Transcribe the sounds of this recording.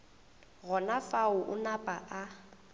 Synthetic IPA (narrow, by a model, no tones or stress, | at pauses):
ɣɔnafaʊʔʊnapʼaʔa